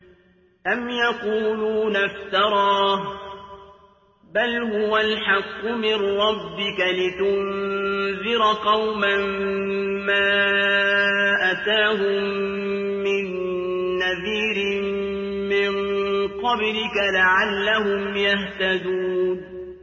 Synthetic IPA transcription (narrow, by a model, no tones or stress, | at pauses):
ʔamjaquːluːnaft̪ɑɾˤɑːh | balhʊwalħɑqːʊmɪnɾɑbːɪkalɪt̪ʊnðɪɾqɑwmam | maː | ʔat̪aːhʊmː | ɪnː | aðiːɾɪ | mɪŋqɑblɪkalaʕalːahʊmjaht̪ad̪uːn